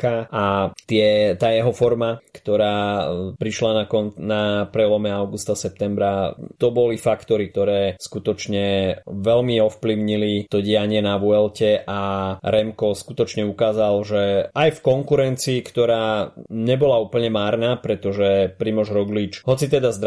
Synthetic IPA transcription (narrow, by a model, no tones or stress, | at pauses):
kaʔat̪ɪɛt̪aːjɛɦɔfɔɾmakt̪ɔɾaːpɾiʃlanakɔnnapɾɛlɔmɛaʊɡust̪asɛp̚t̪ɛmbɾat̪ɔbɔlifakt̪ɔɾik̚t̪ɔɾɛːskut̪ɔt͡ʃɲɛʋɛlmiɔfpliʊɲilit̪ɔɟiaɲɪɛnaʋuɛlcɛʔaɾɛmkɔskut̪ɔt͡ʃɲɛukaːzalʒɛʔajfkɔŋkuɾɛnt͡siːkt̪ɔɾaːɲɛbɔlaupl̩ɲɛmaːɾnaːpɾɛt̪ɔʒɛpɾimɔʒɾɔɡlit͡ʃɦɔt͡sit̪ɛd̪azd̪